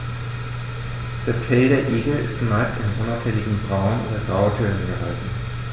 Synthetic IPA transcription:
d̥asfɛldeːɐʔeːɡl̩ɪ̰stmaɪstɪnʔʊnaʊfɛlɪɡŋ̩bʁaʊnʔo̰ːdɐbʁaʊtʰyɐnənɛɐɦa̰ltn̩

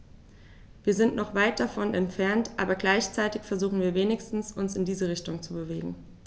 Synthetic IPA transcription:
viːɐzɪntnɔχv̥aɪt̚d̥afɔnɛntfɛɐntʔaːbɐɡlaɪçt͡saɪtɪçfɛɐzuːχn̩viːɐveːnɪçstn̩sʊnsɪndiːzəʁɪçtʊŋt͡subəveːɡŋ̩

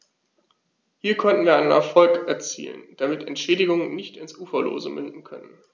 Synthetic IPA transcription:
hiːɐkʰɔntn̩viːɐaɪnənɛ̰ɐfɔlkɛɐt͡sḭːlə̰nd̥amɪtɛ̰ntʃɛːdɪɡʊŋənnɪçtɪnsʔuːfɐlo̰ːzəmʔʏndn̩kʰœnən

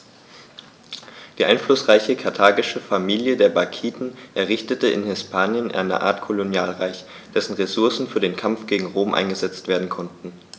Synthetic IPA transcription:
d̥iːʔaɪnflʊsʁ̥aɪçəkʰaɐtʰaːɡɪʃəfamiːljədeːɐbakʰiːtn̩ʔɛɐʁɪçtətəɪ̰nhɪspʰaːnjənʔa̰ɪnə̰ʔa̰ːɐtkʰolonjaːlʁaɪç | d̥ɛsn̩ʁesʊɐsn̩fyːɐdeːnkʰamfɡ̥eːɡŋ̩ʁoːmʔa̰ɪnɡəzɛt͡stv̥eːɐdn̩kʰɔntn̩

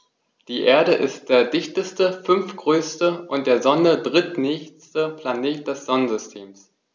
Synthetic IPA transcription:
d̥iːʔeːɐɾəʔɪst̚d̥eːɐdɪçtəstəfʏnfɡ̥ʁøːstəʔʊnt̚d̥eːɐzɔnədʁɪtnɛːçstəpʰl̥aneːt̚d̥ɛsz̥ɔnənzʏstʰeːms

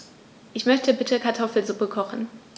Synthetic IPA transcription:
ʔɪçmœçtəbɪtʰəkʰaɐtʰɔfl̩zupəkʰɔχn̩

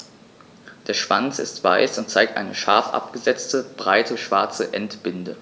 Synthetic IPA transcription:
d̥eːɐʃv̥a̰nt͡sɪ̰stv̥a̰ɪsʊnt̚t͡saɪk̚tʔa̰ɪnəʃa̰ɐfʔa̰p̚ɡ̥əzɛt͡stəb̥ʁaɪtʰəʃv̥aɐt͡səʔɛntb̥ɪndə

